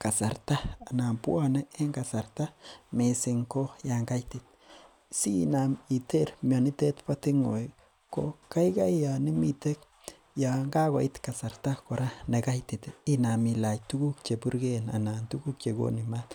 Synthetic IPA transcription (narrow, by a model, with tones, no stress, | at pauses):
ka˨sa˨ɾta˦a˨na˨mpwa˦nɛ˦e˦ŋɡa˨sa˨ɾta˦me˨si˨ŋko˦ja˨ŋɡa˦jti˨t̪̚ | sḭna˨mi˨te˦ɾmjɔ˨ni˦te˦tpa˦ti˦ŋo̰˨j | ko̰˦ka˦jka˦jja˨ni˦mi˦te˦k̚ | ja˨ŋɡa˦ko˨itka˨sa˨ɾta˦ko˨ɾa˦ne˨ka˦jti˨ti˦na˨mi˨la˨jtu˦ɡu˦k̚t͡ʃe˨pu˦ɾɡe˦na̰˨na˨ntu˦ɡu˦k̚t͡ʃe˨ɡo̰˦ni˨ma˦t